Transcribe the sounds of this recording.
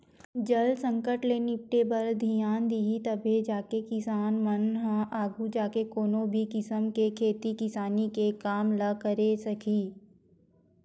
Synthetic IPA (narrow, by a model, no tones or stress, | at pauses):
d͡ʒəlsə̃ŋkəʈleːnip̚ʈebəɾd̪ʱijaːnd̪iɦit̪əbʱed͡ʒaːkekɪsaːnmənɦə̃ʔaːɡud͡ʒaːkekoːnõbʱikɪsəmkekʰeːt̪ikɪsaːnikekaːmləkəɾesɐkiː